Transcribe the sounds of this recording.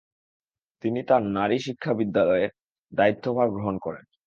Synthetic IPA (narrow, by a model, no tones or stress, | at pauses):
t̪init̪aɾnaɾiʃikʰːabid̪ːalɔe | d̪ait̪ːobʱabɡɾoɦonkɔɾen